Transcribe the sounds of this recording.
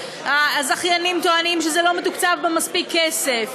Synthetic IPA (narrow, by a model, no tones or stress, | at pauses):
azaχjanimt̪oanimʃezelo̞met̪ukt͡savbemaspikʰːesef